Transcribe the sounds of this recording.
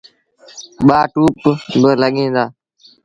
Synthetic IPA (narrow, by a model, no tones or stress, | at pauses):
ɓaːʈuːpbələɠĩːd̪aː